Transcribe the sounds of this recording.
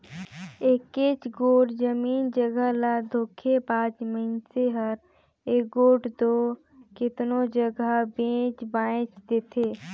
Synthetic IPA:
ekeːt͡ʃɡoːʈd͡ʒəmiːnd͡ʒəɡəlad̪ʱoːkʰepãːt͡ʃməɪnseɦəɾ | eːɡoːʈd̪oː | kɪt̪nod͡ʒəɡəbẽːt͡ʃbaːẽt͡ʃd̪eːt̪ʰeː

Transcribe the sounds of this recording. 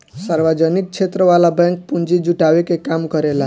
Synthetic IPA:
saɾbad͡ʒʌnik̚t͡ʃʰet̪ɾəwalabaŋk̚pund͡ʒid͡ʒuʈawekekamkʌɾela

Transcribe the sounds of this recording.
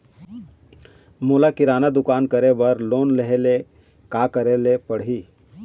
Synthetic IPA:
mulakiɾanad̪ukankəɾeʋəɾlonleɦele | kakəɾelepəɽɦiː

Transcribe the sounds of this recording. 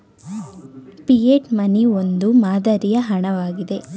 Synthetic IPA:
pijeʈmɐniond̪umaːd̪ɐɾijɐɦɐɳɐʋaːɡid̪e̞

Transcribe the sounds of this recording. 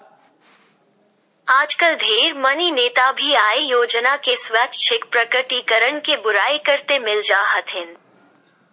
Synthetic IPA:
aːd͡ʒkəld̪ʱeːɾmɐnineːt̪abʱiaːejoːd͡ʒnakesʋat͡ʃ̪ʃɪk̚pɾəkəʈikəɾəɳkebʊɾaːekəɾt̪emɪld͡ʒaːɦət̪ʰɦɪn

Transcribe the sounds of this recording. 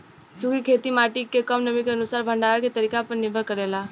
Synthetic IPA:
t͡ʃuɡikʰet̪imaʈikːekəmnəmikeənusaːɾbʱəɳɖaket̪əɾikapəɾnɪɾbʱəɾkəɾela

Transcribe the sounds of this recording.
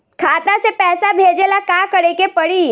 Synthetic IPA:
kʰaːt̪ãsepɛːsabʱeːd͡ʒelakakəɽekepəɽiː

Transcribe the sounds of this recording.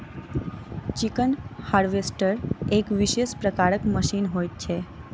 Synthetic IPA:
t͡ʃikənhaɾʋesʈəɾekʋiʃeʃpɾəkaɾəkməʃinɦojt͡ʃʰe

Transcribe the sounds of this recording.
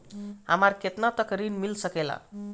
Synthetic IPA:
ɦamaɾket̪nat̪əkəɾiːnmilsəkela̰

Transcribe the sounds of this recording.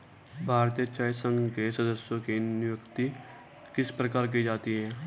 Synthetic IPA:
bʱaːɾt̪ijət͡ʃaːɪsə̃ŋɡkesəd̪əsjõkinjʊkt̪i | kɪspɾəkaːɾk̬id͡ʒaːt̪iɦɛː

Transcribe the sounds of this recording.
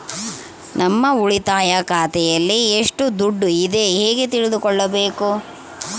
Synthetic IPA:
nʔɐmːɐuɭit̪aːjɐkaːt̪ɛjɐlːieʂʈud̪uɖːuid̪e̞ɦeːɡet̪iɭid̪ukɔɭːɐbeːku

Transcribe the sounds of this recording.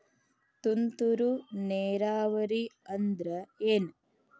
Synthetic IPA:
t̪unt̪uɾuneːɾaːʋɐɾiɐnd̪ɾɐeːn

